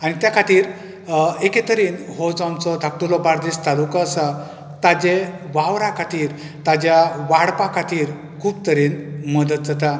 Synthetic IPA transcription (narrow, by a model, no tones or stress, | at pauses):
añit̪jakʰat̪iːɾ | eket̪əɾiːnɦɔd͡zɔ̃mt͡sɔd̪ʱak̚ʈulɔbaɾd̪ist̪alukaːsa | t̪ad͡ʑeʋaʋɾakʰat̪iːɾ | t̪ad͡ʑjaʋaɽpakʰat̪iːɾ | kʰuːb̚t̪əɾiːnməd̪ət̪̚d͡zat̪a